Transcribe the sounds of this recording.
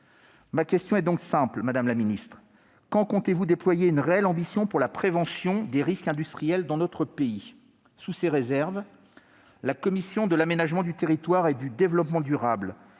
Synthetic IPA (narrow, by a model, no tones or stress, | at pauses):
makʲɛst̪jɔ̃ɛd̪ɔ̃ksɛ̃plmad̪amlaminist̪χ | kɑ̃kɔ̃t̪evud̪eplwajeynʁeɛlɑ̃bisjɔ̃puʁlapχevɑ̃sjɔ̃d̪eʁiskɛ̃d̪yst̪χijɛld̪ɑ̃nɔt̪χəpei | suseʁezɛʁv | lakɔmisjɔ̃d̪əlamenaʒmɑ̃d̪yt̪eʁit̪waʁed̪yd̪evlɔpmɑ̃d̪yʁabl